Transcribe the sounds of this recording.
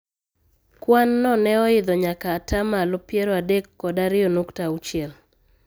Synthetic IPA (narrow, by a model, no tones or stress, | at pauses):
kwanːɔnɛɔɪd̪ɔɲakaːtamalɔpjeɾɔadekːɔdaɾɪonuktaut͡ʃjɛl